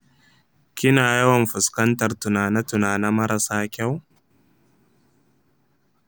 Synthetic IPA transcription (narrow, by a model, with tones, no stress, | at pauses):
kʲɪ˦naː˨jɐ˦wɐ˨mɸʊ˨skɐ˦ntɐ˨rtʊ˨naː˨na˦tʊ˨naː˨na˦mɐ˦ɾɐ˨saː˦kʲa˦w